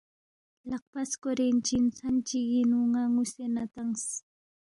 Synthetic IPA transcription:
lɑq̚paskoɾent͡ʃɪnsant͡ʃiɡɪnuŋaŋʊsenat̪aŋs

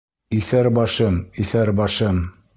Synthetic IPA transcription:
iθæɾbɑʃɤmiθæɾbɑʃɤm

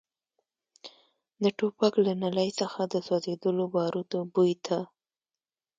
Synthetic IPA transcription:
d̪əʈopaklanalajsəxad̪əswɑzed̪əlobɑɾut̪obujt̪ʰa

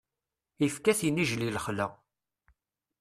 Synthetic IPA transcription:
ifkæθjiniʒlilχlæ

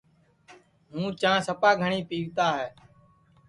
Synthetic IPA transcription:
ɦũːt͡ʃãːsəpaːɡʱəɳiːpiːʋt̪aːɦɛː

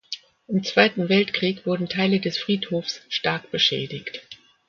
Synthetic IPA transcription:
ʔɪmt͡sv̥aɪtn̩vɛltkʁ̥iːkv̥ʊɐdn̩tʰaɪlədɛsfʁ̥iːthoːfsʃtaɐkb̥əʃɛ̰ːdɪçt

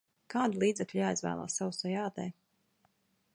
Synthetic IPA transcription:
kaːd̪ulˠiːd̪zɛkʎʲjaːjizvæ̰ːlˠa̰ːsːawusɔjaːt̪ɛ̰ː

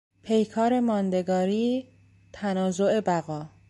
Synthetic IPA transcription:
pʰe̞jkʰɒːɾe̞mɒːnd̪e̞ɡɒːɾiː | t̪ʰænɒːzoe̞bæɣɒː

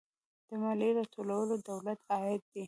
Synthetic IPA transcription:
d̪̥əmaliɾat̪ʰolawəlod̪awlat̪ʰɑɪd̪̚d̪ːi

